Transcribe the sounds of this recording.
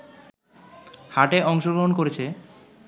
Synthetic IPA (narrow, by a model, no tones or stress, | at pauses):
haʈeɔŋʃoɡɾoɦonkoɾet͡ɕʰe